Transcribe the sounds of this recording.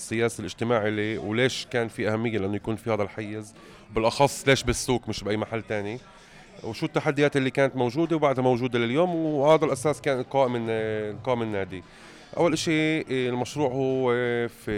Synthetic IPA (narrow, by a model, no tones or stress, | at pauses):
sːɪjaːsilʔɪʒt̪ɪmaːʕliwleːʃkaːnfiʔahamːɪjːelɪʔanːojakuːnfihaːd̪alħajːɪz | wbɪlʔɑxɑsˤːleːʃbɪsːuːkmɪʃbʔajːmaħalːt̪aːni | wʃuːt̪ːaħad̪ːɪjaːt̪ʔɪlːikaːnat̪mowʒuːd̪ewbaʕd̪hamowʒuːd̪elɪljoːmwhaːd̪alʔasaːskaːnɪlqɑːʔɪmɪlqɑːʔɪmɪnːaːd̪i | ʔa̰wːalʔɪʃilmaʃɾuːʕhuefi